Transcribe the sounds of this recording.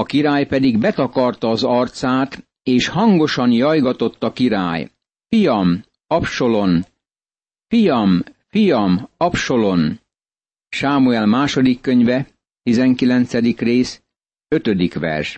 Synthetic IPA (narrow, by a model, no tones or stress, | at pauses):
ɒkiɾaːjpɛd̪iɡbɛt̪ɒkɒrt̪ɒːzɒrt̪saːt̪ | eːʃhɒŋɡo̞ʃɒnjɒjɡɒt̪o̞t̪ːɒkiɾa̰ːj | fijɒm | ɒpʃo̞lo̞n | fijɒmfijɒmɒpʃo̞lo̞n | ʃaːmuɛlmaːʃo̞d̪ikːø̞ɲvɛ | t̪izɛŋkilɛnt̪sɛd̪ikreːs | ø̞t̪ø̞d̪ikʋɛ̰rʃ